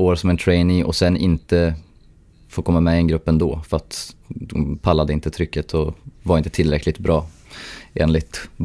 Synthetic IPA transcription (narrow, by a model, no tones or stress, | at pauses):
oːɾsɔmɛnt̪ʰɾɛɪnɪʔɔ̰sɛnːɪnt̪ə | foːɾkʰɔmːamɛɛnɡɾɵpːɛnd̪oːfœɾat̪ | pʰalːad̪əɪnt̪ət̪ʰɾʏkːət̪ʰɔvaɾɪnt̪ət̪ʰɪlːɾɛkʰːlɪt̪bɾɑː | ḛːnlɪt̪